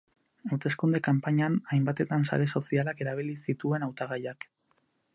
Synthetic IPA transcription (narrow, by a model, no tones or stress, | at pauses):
awt̪e̞skund̪ekampaɲanajmbat̪e̞t̪ansa̰ɾe̞so̞sialake̞ɾaβ̞ilisit̪ue̞nawt̪aɣajak